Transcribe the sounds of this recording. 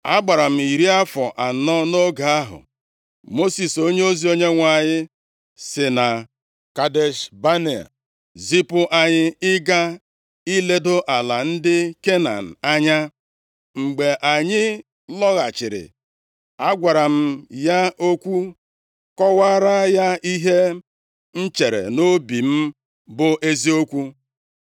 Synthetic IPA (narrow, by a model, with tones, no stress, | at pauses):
a˦ɡ͡ba˨ɾa˨m̩˨i˨ɾi˦a˦fɔ˨ʔa˨nɔ˦no˦ɡa˨a˦ɦʊ̰˨ | mo˦si˨so˦ɲe˦o˦zi˨˦o˦ɲe˦ŋʷa˨ɲɪ˦ | sɪ˨na˨ | ka˨de˨ʃba˦ne˨a̰˨ | zi˦pʊ˦ʔa˨ɲɪ˦ɪ˦ɡa˦ | i˦le˦do˦ʔa˨la˨n̩˦dɪ˦ke˦na̰˨n̩˨a˦ɲa˦ | ŋ͡m̩˨ɡ͡be˨ʔa˨ɲɪ˦ | lɔ˦ɣa˨t͡ʃɪ˨ɾɪ̰˨ | a˦ɡʷa˨ɾa˨m̩˦ja˦ʔo˦kʷu˦ | kɔ˦wa˦ɾa˦ja˦i˦ɦe˦ | n̩˦t͡ʃe˨ɾḛ˨no˦bi˨m̩˦ | bʊ˦ʔe˦zi˦o˦kʷu˦